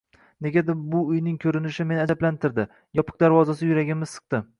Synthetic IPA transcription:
ne̞ɡʲad̪ɪbʊʊjnɪŋkʲʰɵɾɪnɪʃɪme̞naablant̪ʰɪɾd̪ɪ | jɒpʰɨ̥q̚d̪aɾvɒzasɪjʊɾaɡʲɪmɪzsɨ̥q̚t̪ɪ

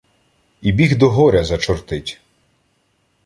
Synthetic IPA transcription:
ibʲiɣd̪ɔɦɔɾʲɐzɐt͡ʃɔrt̪ɪtʲ

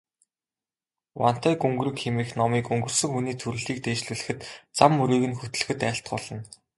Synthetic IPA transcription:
wa̰n̥t̪æːkɵŋɡ̆rɘ̆kxemiːxnɔmiːkɵŋɡɵ̆rsɵ̆ŋxuniːt̪ʰɵɾɘ̆ɮiːk̚t̪eːt͡ɕɮuːɮɘ̆xɘ̆t̪t͡samːɵɾiːɣɘ̆nxɵt̪ɵ̆ɮ̆xɘ̆t̪æːɬt̪̚ɢɔɮɞ̆n

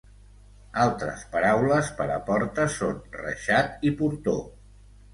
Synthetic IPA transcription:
alˠt̪ɾə̰spəɾawləspəɾəpɔɾt̪əsonrə̰ʃat̪ipuɾt̪o

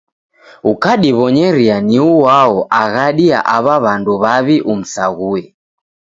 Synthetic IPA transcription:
ukaɗiβɔɲɛɾianiuwaɔʔaɣaɗia̰ʔaβaβanduβaβiʔum̩saɣuɛ

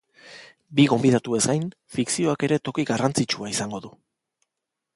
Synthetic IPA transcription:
biɣo̞mbið̞at̪ue̞zɡajn | fiksio̞ake̞ɾe̞t̪o̞kiɣarant͡sit͡ʃuaisaŋɡo̞ðu

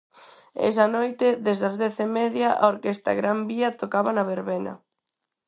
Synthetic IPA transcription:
ḛsɐnojt̪ɪðezðɐzðeθemeðjaʔaoɾkest̪a̰ɣɾambiɐt̪okaβanɐβeɾβenɐ̰

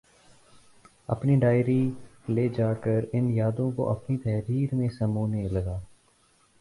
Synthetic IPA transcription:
ɐ̰pniɖaːɪɾileːd͡ʒaːkəɾɪnjaːd̪õko̰ʔɐpnit̪ɛɦɾiːɾmẽsəmuːneləɡaː

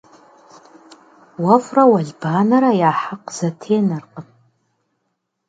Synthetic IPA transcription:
wafrawaɮʲbanaɾajaːħaqzatʰeːnarqʼəpʼ

